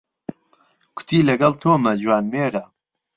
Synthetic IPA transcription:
kʰʊ̥t̪ʰiːlɐɡɐlˠt̪ʰoːmɐd͡ʒwaːnmeːɾɐ

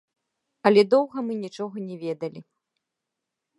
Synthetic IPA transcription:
ɐlʲɛd̪ɔwɣɐmɨnʲit͡ʂɔɣɐnʲɛvʲɛd̪ɐlʲi

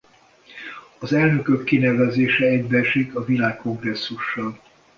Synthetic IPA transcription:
ɒzɛlnø̞køkːinɛvɛzeːʃɛɛɟbɛrʃikɒvilaːkːo̞ŋɡrɛsːuʃːɒl

